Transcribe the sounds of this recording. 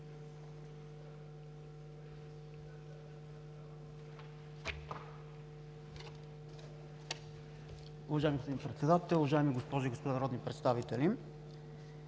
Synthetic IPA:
ʊvɐʒaɛmiɡospɔd̪ipɾɛt̪sɛd̪at̪ɛlʊvɐʒaɛmiɡospɔʒiɡospod̪anɐɾɔd̪nipɾɛt̪st̪avit̪ɛli

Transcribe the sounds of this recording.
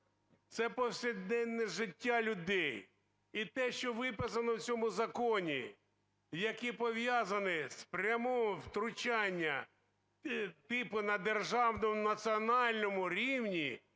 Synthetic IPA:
t̪sɛpɔwsʲɪd̪ɛnːɛʒɪtʲːalʲʊd̪ɛj | it̪ɛʃt͡ʃɔʋɪpɪsɐnɔwt͡sʲɔmʊzɐkɔnʲḭ | jɐkipɔʋjazɐnɪspɾʲɐmɔwt̪ɾʊt͡ʃanʲːɐ | t̪ɪpʊnɐd̪erʒɑwnɔmʊnɐt͡sʲiɔnɑlʲnɔmʊɾʲiwnʲi

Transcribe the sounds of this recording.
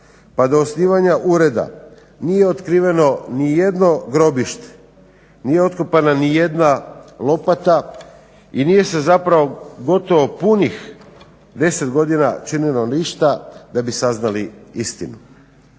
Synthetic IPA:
pad̪o̞ːsniːʋaɲaʔuɾe̞d̪a̰ | nije̞ot̪kɾiːʋe̞no̞nije̞d̪no̞ɡɾo̞biʃt̪e̥ | nije̞o̞t̪kopananije̞d̪nalo̞pat̪a | inije̞se̞zapɾaʋo̞ɡo̞t̪o̞ʋopunix | d̪e̞se̞t̪ɡo̞d̪inat͡ʃinilo̞niʃt̪ad̪abisaznaliist̪inu

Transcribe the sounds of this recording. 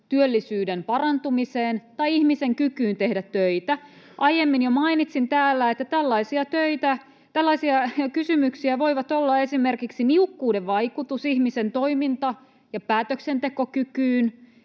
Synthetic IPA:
t̪yølːisyːdempɑrɑnt̪umiseːnt̪ɑiihmiseŋkykyːnt̪e̞hdæt̪ːøit̪æ | ʔɑjemːinjomɑinit̪sint̪æːlːæet̪ːæt̪ælːɑisiɑt̪øit̪æ | t̪ælːɑisiɑkysymyksiæʋo̞iʋɑt̪olːɑe̞simerkiksiniukːuːdeʋʋɑijkut̪usihmisent̪oimint̪ɑ | jɑpæːt̪øksent̪eko̞kykyːn

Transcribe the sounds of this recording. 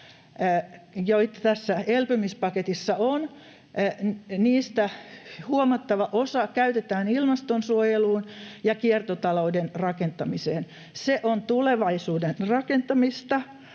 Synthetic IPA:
joit̪ɑ̥t̪æsːæelpømispɑket̪isːɑon | niːst̪æhuomɑt̪ːɑʋɑʔosɑkæyt̪et̪æːnilmɑst̪onsuojeluːnjɑkiert̪ot̪ɑloudenrɑkent̪ɑmiseːn | seʔont̪uleʋɑisuːdenrɑkent̪ɑmist̪ɑ

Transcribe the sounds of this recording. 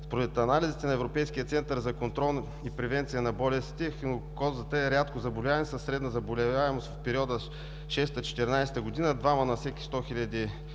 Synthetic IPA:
spoɾɛt̪ɐnalizit̪ɛnɐɛvɾopɛjskijət̪sɛnt̪əɾzɐkont̪ɾɔlˠ | ipɾɛvɛnt̪sijənɐbɔlɛst̪ixnokɔzət̪əɛɾʲat̪kozɐbolʲavɐnisəsːɾɛd̪nəzɐbolʲɛaɛmost̪fpɛɾiɔd̪ə | ʃɛst̪ət͡ʃɛ̥t̪ɛɾnajsɛ̥t̪əɡʊd̪inəd̪vamənɐfsɛki̥st̪ɔxilʲəd̪i

